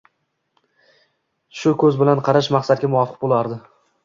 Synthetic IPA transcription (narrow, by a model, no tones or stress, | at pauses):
ʃʊkʰɵzbɪlanqʰɑɾaʃmaqsat̪̚ɡʲamʊvɒfɨ̥q̚bolˠaɾd̪ɪ